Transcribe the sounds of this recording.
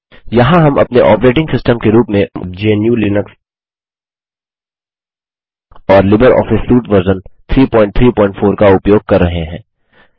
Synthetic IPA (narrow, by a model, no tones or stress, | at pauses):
jɐɦãɦɐmʔɐ̰pneʔɔːpɾeːʈɪ̃ŋɡsɪsʈəmkeɾuːpmẽd͡ʒienjũlinəks | ɔːɾlɪbəɾɔ̰ːfɪsːuːʈʋəɾzənt̪ʰɾiːpɔ̃ːɪ̃ɳʈ̚t̪ʰɾiːpɔ̃ːɪ̃ɳʈfoːɾkaʊpjoːɡ̚kɐɾːɐɦeɦɛ̃ː